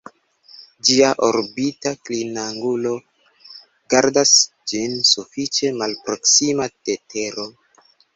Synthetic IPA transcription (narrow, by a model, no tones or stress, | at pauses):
d͡ʒiaʔoɾbitaklinaŋɡulo̞ | ɡaɾdas | d͡ʒinsufit͡ʃe̞malpɾo̞ksimate̞te̞ɾo̞